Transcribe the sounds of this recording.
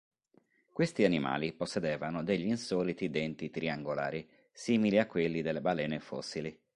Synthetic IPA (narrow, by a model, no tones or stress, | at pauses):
kwest̪ianima̰ːliposːed̪ɛːvanod̪eʎːiːnsɔːlit̪id̪ɛnt̪it̪ɾiaŋɡola̰ːɾi | siːmiliakːwelːid̪elːebalɛːnefɔ̰sːili